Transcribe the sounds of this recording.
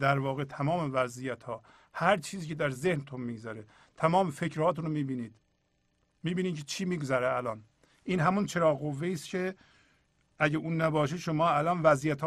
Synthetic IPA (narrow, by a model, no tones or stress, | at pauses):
d̪æɾvɒːɣe̞t̪ʰæmɒːmevæzijæt̪hɒː | hæɾt͡ʃʰiːziːcʰed̪æɾzehnt̪ʰunmiːɡzæɾe | t̪ʰæmɒːmefecɾhɒːt̪ʰunɾomiːbiːniːd̪̥ | miːbiːniːd̪cʰet͡ʃʰiːmiːɡozæɾeælɒːn | ʔiːnɦæmunt͡ʃʰe̞ɾɒːɣɣovːeiːst̪cʰe | æɟeʔuːnːæbɒːʃ̬eʃomɒːælɒnvæzijæt̪ː